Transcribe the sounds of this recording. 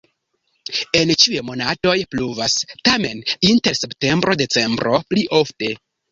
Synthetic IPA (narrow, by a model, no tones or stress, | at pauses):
e̞nt͡ʃiujemo̞nato̞jpluvastame̞ninte̞ɾse̞pte̞mbɾo̞de̞t͡se̞mbɾo̞pliʔo̞fte̞